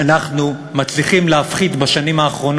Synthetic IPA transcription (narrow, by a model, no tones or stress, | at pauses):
anaχnu | mat͡sliχimleafχid̪baʃanimaːχʁo̞n